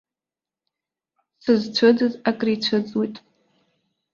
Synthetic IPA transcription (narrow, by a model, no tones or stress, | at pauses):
sɨzt͡ʃʷʰɨdɨzakʼrit͡ɕʷʰɨt͡sʼwitʼ